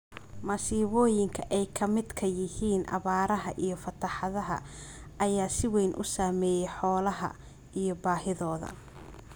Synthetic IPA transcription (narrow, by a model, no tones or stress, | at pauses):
mɐsiːβɔːjɪŋkʰɐʔɛjkʰɐmɪd̪kʰɐjɪhiːnʔɐ̰βaːɾɐɦɐʔijɞfɐt̪ʰɐħɑðɐɦɐ̰ | ʔɐjaːsɪwɛjnʔʊ̰saːmɛːjɛjħɔːlɐɦɐ̰ | ʔijɞbaːhɪðɔːðɐ̰